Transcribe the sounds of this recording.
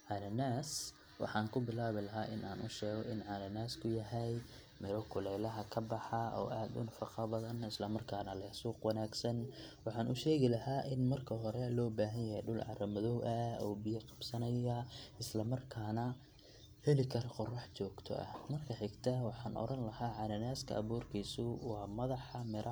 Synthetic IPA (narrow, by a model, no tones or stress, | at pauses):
ʕɑlɐnaːs | wɑ̰ħɑːŋkʰʊbɪlaːβɪlɐɦaːʔɪnʔaːnʔʊʃɛːɣɔʔɪnʕaːlɐnaːskʰʊjɐɦɛj | mɪɾɔkʰʊlɛjlɐɦɐkʰɐbɑħɑɔ̰ːʔaːd̪ʊ̰nɐfɑqɑbɐðɐnɪslɐmɐrkʰaːnɐlɐsuːqwɑnaːɡsɐnwɑħɑːnʊʃɛːɣɪlɐɦaːʔɪnmɐrkʰɐɦɔɾɛlɔːbaːɦɐnjɐhɛ̰jɖʊlʕɑ̰ɾɐmɐðɔwʔɐɔːbɪjɐqɑ̥bsɐnɐjɐɪslɐmɐrkʰaːnɐ | hɛlɪkʰɐɾɔqʊrɑħt͡ʃɔːɡt̪ʰɔ̰ʔɐ̰hmɐrkʰɐħɪɡt̪ʰɐwɑħɑːnʔɔ̰ɾɐnlɐhaːʕɑnɐnaːskʰɐ̰ɐ̰βuːrkʰiːsʊwɑːmɐðɑħɑmɪɾʔɐ